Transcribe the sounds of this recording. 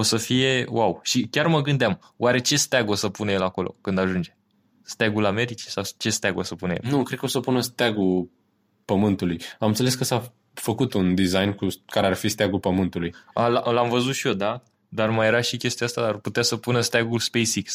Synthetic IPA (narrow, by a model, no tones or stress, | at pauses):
o̞səfije̞wʔawʃikʲarməɡɨnd̪eam | wʔaɾe̞t͡ʃe̞st̪aɡosəpunəjelako̞lo̞̰kɨnd̪aʒund͡ʒe̞ | st̪aɡulame̞ɾit͡ʃi̥sawt͡ʃe̞st̪aɡosəpunəjḛlnukɾed̪kəo̞səpunəst̪aɡul | pəmɨnt̪ulujamɨnseleskəsa | fəkut̪und̪izajnkukaɾearfist̪aɡulpəmɨnt̪ulujalaʔlamvəzut̪ʃio̞d̪a | d̪armajeɾaʃikʲe̞st̪iaast̪ad̪arput̪easəpunəst̪aɡulspe̞jsiks